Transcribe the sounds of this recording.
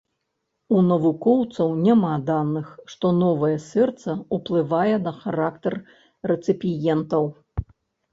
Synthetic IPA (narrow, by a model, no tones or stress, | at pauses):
unɐvukɔwt̪sɐwnʲamad̪anɨxʂt̪ɔnɔvɐjɛsʲɛrt̪sɐuplˠɨvajɛnɐxaɾakt̪ɐrː | ɛt̪sɨpʲijɛnt̪ɐw